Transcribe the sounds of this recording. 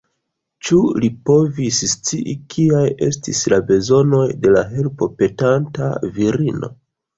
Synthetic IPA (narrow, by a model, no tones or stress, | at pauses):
t͡ʃulipo̞visst͡siʔikʰiaje̞̰stislabe̞zo̞no̞jde̞laɦe̞lpo̞pe̞tanta̰viɾino̞̰